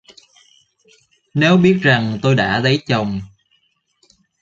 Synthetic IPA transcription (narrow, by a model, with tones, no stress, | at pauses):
nɛ˨˦wɓi˦˥ət̚za˨˩ŋt̪o˧jɗa̰ː˧˥lə˨˦jt͡ɕə˨˩wŋ͡m